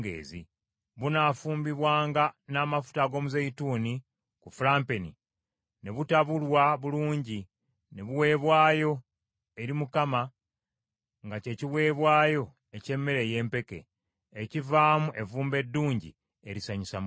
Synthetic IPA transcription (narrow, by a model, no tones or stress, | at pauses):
ɡḛːzi | βunafuːmbiβwaːŋɡanaːmafu̥taɡo̞ːmuzejituːni | kufulaːmpenḭ | ne̞βutaβulwaβuluːɲɟi | ne̞βuwe̞ːβwaːjo̞ | e̞ɾimukama | ŋɡace̞ciwe̞ːβwaːjo̞ | e̞ce̞mːe̞ɾeje̞ːmpe̞ke̞̰ː | civaːmuʔe̞vuːmbe̞dːuːɲɟḭ | eɾisaɲisam